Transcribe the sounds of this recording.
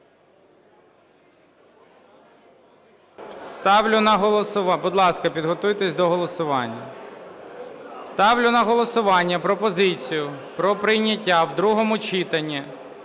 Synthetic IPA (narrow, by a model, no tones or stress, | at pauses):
st̪ɑwlʲʊnɐɦɔlˠɔsʊʋɑbʊd̪lˠɑskɐpʲid̪ɦɔt̪ujt̪esʲd̪ɔɦɔlˠɔsʊʋɑnʲːɐ | st̪ɑwlʲʊnɐɦɔlˠɔsʊʋɑnʲːɐpɾɔpɔzɪt͡sʲijʊpɾɔpɾɪjnʲɐtʲːawd̪ɾuɦɔmʊt͡ʃit̪ɐnʲːi